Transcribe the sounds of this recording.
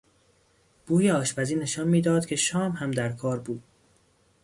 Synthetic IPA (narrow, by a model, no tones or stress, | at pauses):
b̥uːjeɒːʃbæziːne̞ʃɒːnmiːd̪ɒːd̪̥cʰe̞ʃɒːmhæmd̪æɾkʰɒːɾbuːd̪̥̚